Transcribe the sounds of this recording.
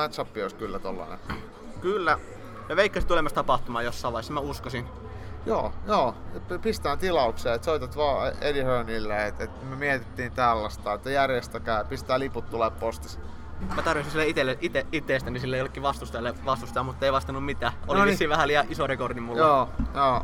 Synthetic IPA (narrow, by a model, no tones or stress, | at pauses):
mæt̪sɑpːioˑs̚kylːæt̪olːɑ̰ːnḛ | kylːæ | meʋeikːɑsi̥t̪ulemɑst̪ɑpɑht̪umɑːjosːɑˑːʋɑˑisːmæuskosin | jo̰ːjoːpist̪æːnt̪ilɑukseːet̪soit̪ɑt̪ʋɑːelihøːnilːæet̪et̪mømiet̪it̪ːiːnt̪ælːæst̪ˑɑːet̪ːæjærjest̪ækæˑypist̪æːliput̪t̪ːuleppost̪is | mæt̪ɑrʋisinsilːeit̪elːeʔit̪eit̪ːeːst̪ænisilːeijolekːiʋɑst̪ust̪ɑjɑlːeʋɑst̪ust̪ɑɑmut̪ːeiʋɑst̪ɑnːummit̪æːʔolisiʋæhæliɑʔisorekordimmuljoːjoː